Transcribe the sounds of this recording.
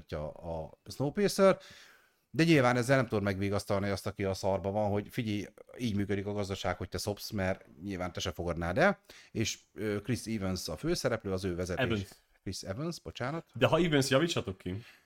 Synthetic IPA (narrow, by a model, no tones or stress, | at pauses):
cːɒ̰ːsnoːpeːsør | d̪ɛɲilvaːnɛzːɛlɛmt̪urmɛɡʋiːɡɒst̪ɒlniɒst̪ɒkiɒsɒrbɒvɒnɦo̞ɟfiɟiiːɟmyːkød̪ikɒɡɒzd̪ɒʃaːkho̞c̚t̪ɛso̞psmɛrɲilvaːnt̪ɛʃɛfo̞ɡɒd̪naːd̪ɛeːʃøkrisiːvønsɒføːsɛɾɛpløːɒzøːvɛzɛt̪eːn | krisɛvønsbo̞t͡ʃaːnɒt̪d̪ɛɦɒiːvønsjɒvit͡ʃːɒt̪o̞kʰːi